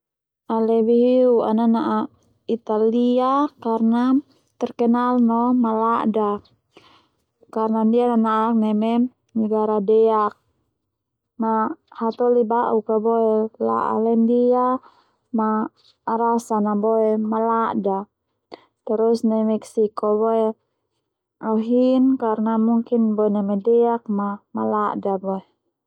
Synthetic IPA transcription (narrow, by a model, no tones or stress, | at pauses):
ʔalɛbiɦiua̰nanaʔa | it̪aliakarna | t̪ɛrkɛnalnɔmalaʔda | karnandiananaak̚nɛmɛ | nɛɡaɾadɛak̚ | mahat̪ɔlibaʔukabɔɛla̰ʔa̰lɛndia | maː | ɾasanabɔɛmalaʔda | t̪ɛɾusnɛmɛksikɔβɔe | ɔɦinkarnamuŋkinbɔɛnɛmɛdɛak̚mamalaʔdabɔe